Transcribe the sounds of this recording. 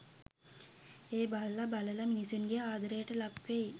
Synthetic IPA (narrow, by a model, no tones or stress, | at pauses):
eːballɐbɐləlɐminisunɡeaːd̪ɐɾeːʈəlɐpʋej